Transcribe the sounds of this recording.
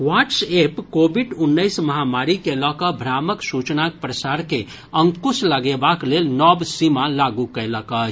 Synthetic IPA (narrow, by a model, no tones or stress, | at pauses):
waʈsepkobʱiɖunːəɪsməɦamaɾikelɔkəbʱɾaməksut͡ʃnak̚pɾəsaɾke | əŋkusləɡebaklelnɔbsimalaɡukələkət͡ʃʰ